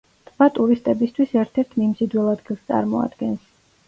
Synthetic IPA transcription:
t̪ʰʼvat̪ʼuɾist̪ʼɛbist̪ʰwisɛɾt̪ʰɛɾt̪ʰmimzid̪wɛlˠad̪ɡilˠst̪sʼa̰ɾmɔa̰d̪̥ɡɛns

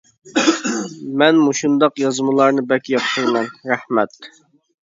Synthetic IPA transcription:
mɛnmuʃund̪ɑqjɑzmɨlˠɑɾnɨbɛkʲjɑp̚t̪ʰəɾmɛnɾæhmɛt̪

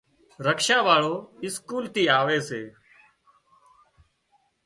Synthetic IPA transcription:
ɾəkʃaːʋaːɭoːɪskuːlt̪iːaːʋeːseː

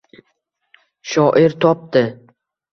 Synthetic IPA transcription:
ʃɒʔɪɾt̪ʰɒp̚d̪ɪ

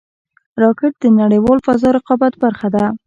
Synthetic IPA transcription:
ɾɑkɪʈ̚d̪ənaɽəjwɑlfazɑɾɪqɑbat̪baɾxad̪a

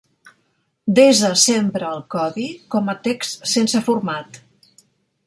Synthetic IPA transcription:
d̪ezəsempɾəːlˠkɔðikɔmət̪ekst̪sensəfurmat̪

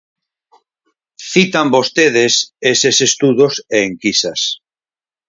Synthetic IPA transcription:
θit̪ambost̪eðesesesest̪uðoseːŋkisɐs

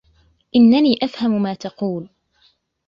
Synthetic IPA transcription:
ʔɪnːaniːʔafhamʊmaːt̪ɑquːl

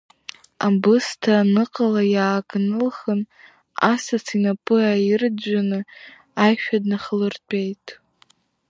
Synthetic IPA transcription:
abɨstʰanɨqʼalajaːkʼnɨlχən | asat͡sʰinapʼɨaird͡ʒʷanɨ | ajʃᶣadnaχlɨrtʷʼejtʼ

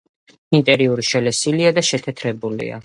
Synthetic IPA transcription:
int̪ʼɛɾiuɾiʃɛlɛsiliad̪aʃɛt̪ʰɛt̪ʰɾɛbulḭa̰

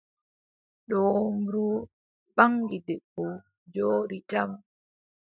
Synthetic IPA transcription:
ɗɔmɾu | ɓaŋɡidɛɓɔ | d͡ʒoːɾitam

